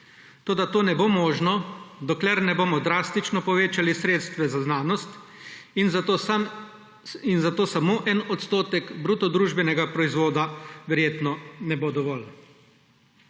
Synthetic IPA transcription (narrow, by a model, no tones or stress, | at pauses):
t̪oːd̪at̪oːnɛboːmoːʒnɔd̪ɔklɛɾnɛboːmɔd̪ɾaːst̪it͡ʃnɔpɔʋeːt͡ʃalisɾeːt̪st̪ʋɛzaznaːnɔst̪ | n | inzat̪oːsamoːʔɛnɔt̪st̪oːt̪ɛkbɾut̪ɔd̪ɾuʒbɛnɛɡapɾɔizʋoːd̪aʋɛɾjeːt̪nɔnɛbod̪ɔʋɔl